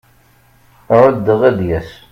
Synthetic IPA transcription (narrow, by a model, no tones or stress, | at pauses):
ɾəd̪ːəʁæðjæs